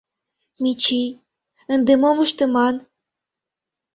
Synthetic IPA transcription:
mit͡ɕij | ə̆nd̪emomuʃt̪ə̆mɑn

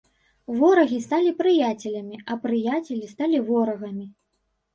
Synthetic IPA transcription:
vɔɾɐɣʲist̪alʲipɾɨjat͡sʲɛlʲɐmʲiʔɐpɾɨjat͡sʲɛlʲist̪alʲivɔɾɐɣɐmʲi

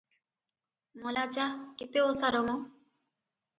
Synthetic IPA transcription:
molat͡ʃakit̪eosaɾomo

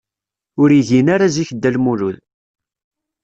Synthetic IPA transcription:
ʊɾiʝinaɾaziçd̪ːælmuluð

